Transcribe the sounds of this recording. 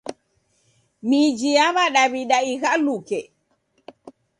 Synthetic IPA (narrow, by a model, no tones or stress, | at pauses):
mid͡ʒijaβaɗaβiɗaiɣalukɛ